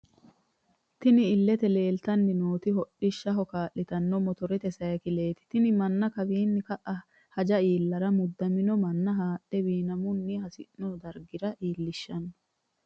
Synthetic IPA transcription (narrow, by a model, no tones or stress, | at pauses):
t̪ɪnɪːlːɛt̪ɛle̞ːlt̪ɐnːɪnoːt̪ɪɦɔɗːɪʃːɐɦɔkaːʔːɪt̪ɐnːɔmɔt̪ɔɾɛt̪ɛsɐjɐkɪleːt̪ɪ̥t̪ɪnɪmɐnːɐkɐbiːnːɪkɐʔɐ | hɐd͡ʒɐiːlːɐɾɐmʊd̪ːɐmɪnɔmɐnːɐɦaːʔːɛwiːnɐmʊnːihɐsɪ̰nnɔd̪ɐɾɡɪɾɐʔiːlːɪʃːɐnːɔ̥